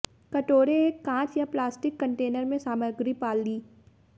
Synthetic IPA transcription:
kɐʈoːɾeːãːt͡ʃjaplaːsʈɪkːɐ̃ɳʈeːnəɾmẽsaːməɾɡɾipaːlːiː

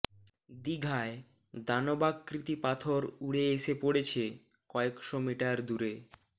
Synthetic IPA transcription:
d̪iɡʱae | d̪anobakːɾit̪ipat̪ʰoɾuɽeeʃepoɽet͡ɕʰe | kɔekʃomiʈaɾd̪uɾe

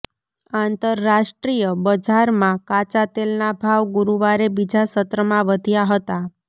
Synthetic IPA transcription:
ant̪əɾːaʃʈɾijəbəd͡ʒaɾmãkat͡ʃat̪elnabʱaʋɡuɾuʋaɾebid͡ʒasət̪ɾəmãʋəd̪ʱjaɦət̪a

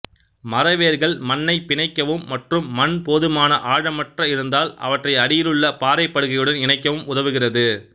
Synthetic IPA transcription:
mɐɾɐʋeːɾɣɐɭmɐnːɐɪpɪnɐɪkːɐʋɯmːɐʈrɯmːɐnpoːðɯmaːnɐʔaːɻɐmɐʈrɐɪɾɯnd̪aːlɐ̰ʋɐʈrɐɪɐɽɪjɪlɯɭːɐpaːɾɐɪpːɐɽɯɣɐjɯɽɐnɪnɐɪkːɐʋɯmʊðɐʋɯɣɪrɐðɯ

